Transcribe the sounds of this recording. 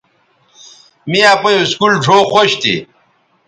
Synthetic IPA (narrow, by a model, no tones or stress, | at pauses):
mijapɐjoskulʈ͡ʂʰoːxoɕt̪ḭ